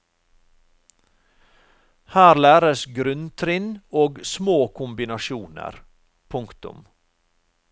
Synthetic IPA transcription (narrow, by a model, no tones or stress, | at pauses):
hæːɾlæːɾəsɡɾʉnt̪ʰɾɪnoːɡsmoːkʰʊmbɪnɑʃuːnə̰ɾ | pʰʊŋkt̪ʊ̰m